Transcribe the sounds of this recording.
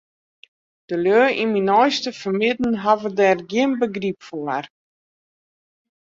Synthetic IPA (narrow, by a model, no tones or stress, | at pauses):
d̥əløːʔiminɔjstəfərmɪdn̩ɦavədɛrɡjɪənbəɡripfoər